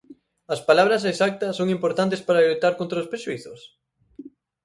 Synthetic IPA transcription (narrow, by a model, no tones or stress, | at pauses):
ɐspalaβ̞ɾɐs̬esak̚t̪ɐsːoŋimpoɾt̪ant̪̬espaɾɐlut̪aɾkõnt̪ɾɐospɾeʃuiθʊs